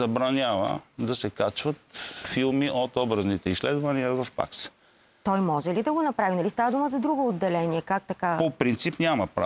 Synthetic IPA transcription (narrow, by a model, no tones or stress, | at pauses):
ɐbɾɐnʲavə̰d̪ɐsɛkat͡ʃvət̪filˠmiʔot̪ɔbɾɐznit̪ɛislɛd̪vɐniəvɐfpa̰ks | t̪ɔjmɔʒɛlid̪ɐɡonɐpɾavinɐlist̪avəd̪uməzɐd̪ɾuɡoːd̪ːɛlɛniɛkak̚t̪ɐkapopɾint̪sipnʲamɐpɾa̰